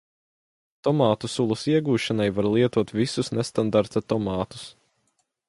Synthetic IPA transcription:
t̪ɔmaːt̪usulˠusiɛɡuːʃanajvaɾlˠiɛt̪uɔt̪visusnest̪and̪aɾt̪at̪ɔmɑːt̪u̥s

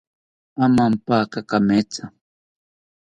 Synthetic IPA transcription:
mamam̩pakakamɛt͡sa

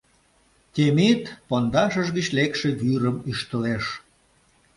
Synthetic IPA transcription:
t̪ʲemit̪pond̪ɑʃəʒɣət͡ɕlekʃeβyɾəmyʃt̪əleʃ

